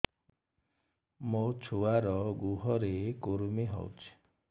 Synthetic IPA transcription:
mot͡ʃʰuaɾɔɡuɦɔɾekuɾumiɦɔ̰wt͡ʃʰi̥

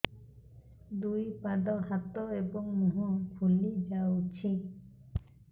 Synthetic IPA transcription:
d̪ujpad̪ɔɦat̪ɔebɔŋmuɦupʰulid͡ʒawt͡ʃʰi

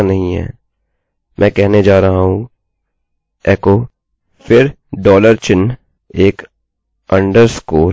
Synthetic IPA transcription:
nɐɦĩɦɛ̰ː | mʔɛ̃ːkɛɦned͡ʒaːɾɐɦaɦũ | ɛːkoː | fɪɾ | ɖɔːləɾt͡ʃɪn | eːk | ɐ̃ɳɖəɾskoːl

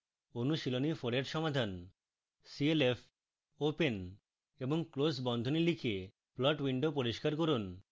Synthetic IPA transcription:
onuʃilonifoɽeɾʃɔmad̪ʱan | sielef | open | eboŋklosbɔnd̪ʱonilikʰe | plɔʈwiɳɖopoɾiʃkaɾk̬oɾun

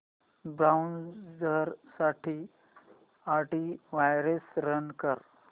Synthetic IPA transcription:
bɾawnd͡zəɾsaʈʰiː | aɾʈiʋajɾesɾənkəɾ

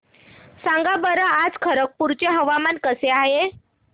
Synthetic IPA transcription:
sãŋɡabəɾaad͡zkʰəɾək̚puɾt͡ɕeɦəʋamankəseaɦe

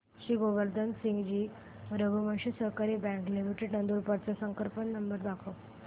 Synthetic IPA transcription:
ɕiːɡoʋəɾd̪ʱənsĩŋɡd͡ʑiː | ɾəɡuməɕisəɦkaɾiːbɛ̃ŋklimiʈeɖnənd̪uɾpəɽt͡sasəŋkəɾpənːəmbəɾd̪akʰo

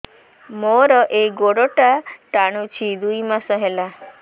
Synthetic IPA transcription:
moɾɔʔeɡoɽoʈaʈaɽ̃ut͡ʃʰid̪uimasɔɦela

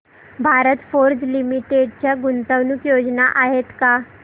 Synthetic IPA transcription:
bʱaɾət̪foɾd͡ʑlimiʈeɖt͡ɕjaɡunt̪əʋnukjod͡znaʔaɦet̪ka

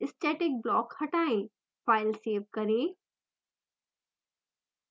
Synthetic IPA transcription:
ɪsʈɛːʈɪk̚blɔːkhɐʈaːẽ | faːɪlseːʋkɐɾẽː

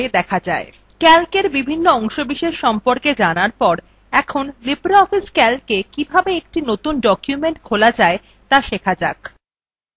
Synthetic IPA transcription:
ed̪ɛkʰad͡ʑae | kɛlkeɾbibʱinːoɔŋʃobiʃeʃʃɔmpoɾked͡ʑanaɾpɔɾ | ɛkʰonlibɾaɔfiskɛlkekibʱabeek̚ʈinot̪unɖɔkjumeɳʈkʰolad͡ʑae | t̪aʃekʰad͡ʑak

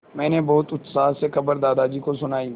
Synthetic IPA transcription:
mɛ̃ːnebɔːt̪ʊt̪saːsexɐbəɾd̪aːd̪aːd͡ʒiːkosʊnaːiː

